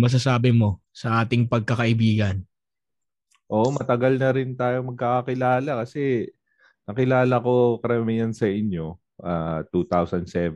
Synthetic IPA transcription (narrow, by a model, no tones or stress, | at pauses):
mɐs̬ɐsaːbɪmo̞ | sɐʔaːt̪ɪŋpɐɡ̚kɐkɐʔɪbiːɡɐn | ʔoːʔomɐt̪ɐɡɐlnɐɾɪnt̪aːjomɐɡ̚kakɐkɪlaːlɐkɐsɛ | nɐkɪlaːlɐko̞kɐɾɐmɪjɐnsɐʔɪɲjo̞ | ʔaːt̪ut̪awsɐnd̪sɛv